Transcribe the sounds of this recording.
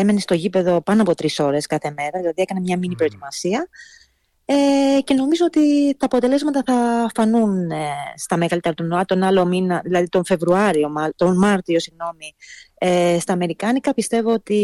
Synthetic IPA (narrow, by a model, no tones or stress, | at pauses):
emenest̪o̞ʝipe̞ðo̞pɐnoɐpo̞t̪ɾiso̞ɾe̞skɐθe̞me̞ɾɐðilɐðiekɐnemɲɐminipɾo̞et̪imɐsiɐ | ece̞no̞mizoot̪it̪ɐːpot̪e̞lezmɐt̪ɐθɐfɐnunest̪ɐmeɣɐlit̪e̞ɾɐt̪unoɐt̪o̞nɐlo̞minɐðilɐðit̪o̞nfe̞vɾuɐɾio̞mt̪o̞nmɐɾt̪io̞siɣno̞miest̪ɐːme̞ɾikɐnikɐpist̪e̞vo̞ot̪i